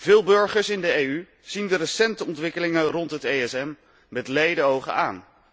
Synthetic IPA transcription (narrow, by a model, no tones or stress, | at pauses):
v̥ɪːlˠbɵɹχəɹsɪndəejy | z̥indərəsɛntəɔntʋɪkəlɪŋərɔntɦətejɛsɛm | mɛtlejdəowχə̰a̰ːn